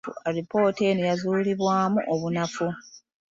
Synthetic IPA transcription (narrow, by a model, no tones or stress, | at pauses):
ṵaɾipo̞ːte̞nejazuːliβwaːmuʔoβunafu